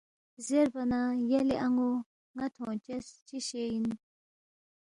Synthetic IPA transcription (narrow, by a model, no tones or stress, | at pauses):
zeɾbɐnaːjɐliʔɐŋɡo | ŋɐt̪ʰõːt͡ɕest͡ɕiɕejin